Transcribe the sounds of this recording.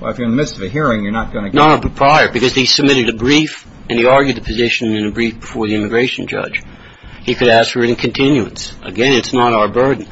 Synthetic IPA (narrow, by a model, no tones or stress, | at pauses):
wɛ̰lˠəfjə˞ɨnðɨmɪdstʌvɨɦiɹɪ̃ŋjə˞nət̚ɡ̥ʌnɨnəəbəpʰɹ̥aɪə˞bɨkʌzisɨb̚mɪɾɨɾɨbɹif | ɨ̃niɑɹɡjʉd̪̚ðɨpʰɨzɪʃɨ̃nɨ̃nɨbɹifb̥əfɔɹðiɪ̃mɨɡɹeɪʃn̩d͡ʒʌ̰̥d͡ʒ̥ | hikʰɨɾæsfə˞ɨɾɨ̃n̩kʰɨ̃n̩tʰɪ̃njʉɨ̰̃nsʔə̰ɡɛ̃nɨtsnəɾaʊə˞bɜ˞dⁿn̩